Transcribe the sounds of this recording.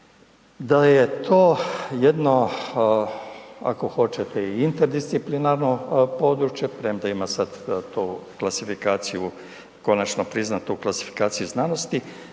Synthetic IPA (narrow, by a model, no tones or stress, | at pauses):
d̪aje̞t̪ʰoːjed̪no̞ | a̰ko̞xo̞t͡ʃet̪eiint̪eɾd̪ist̪siplinaɾno̞po̞ːd̪ɾut͡ʃje̞pɾemd̪aimasad̪t̪uklasifikaːt̪siju | ko̞nat͡ʃnopɾiznat̪uklˠasi̥fi̥kaːt̪sijuznano̞st̪i